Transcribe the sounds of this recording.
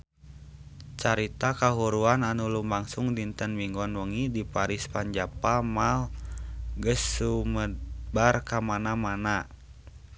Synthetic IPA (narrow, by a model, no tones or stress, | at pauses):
t͡ʃaɾit̪akaɦuɾuananulumbaŋsuŋdint̪ənmiŋɡɔnwəŋidipaɾispaɲd͡ʒapamal | ɡəsːuməbarkamanamana